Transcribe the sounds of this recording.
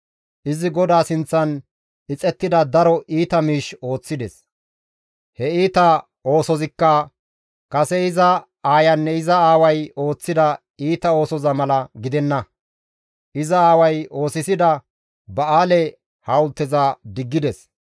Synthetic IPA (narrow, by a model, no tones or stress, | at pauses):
ʔɪzɪɡɔd̪aːsɪnt͡sːɐn | ɪt͡sʼɛt̪ːɪd̪ɐd̪ɐɾɔʔiːt̪ɐmiːʃo̞ːt͡sːɪd̪ɛs | hɛiːt̪ɐ | o̞ːsɔzɪkːɐ | kɐsɛɪzɐ | aːjɐnːɛɪzɐaːwɐjo̞ːt͡sːɪd̪ɐ | iːt̪ɐo̞ːsɔzɐmɐlɐɡɪd̪ɛnːɐ | ʔɪzɐaːwɐjo̞ːsɪsɪd̪ɐ | bɐaːlɛ | hɐʊlt̪ːɪzɐd̪ɪɡːɪd̪ɛs